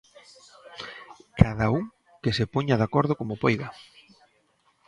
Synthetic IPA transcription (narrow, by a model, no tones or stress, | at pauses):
kaðauŋ | kesepoɲaðakɔɾðʊkomopojɣa